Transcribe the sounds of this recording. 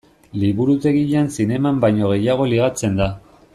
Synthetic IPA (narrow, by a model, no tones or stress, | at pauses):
liβuɾut̪e̞ɣiʎansine̞mambajɲo̞ɣ̞e̞jaɣ̞o̞liɣ̞at͡se̞nd̪a